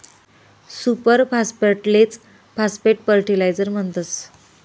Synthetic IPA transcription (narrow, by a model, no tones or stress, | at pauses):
supəɾpaspəɾʈlet͡s | paspeʈ̚pəɾʈilajd͡zəɾm̤əɳt̪ət͡s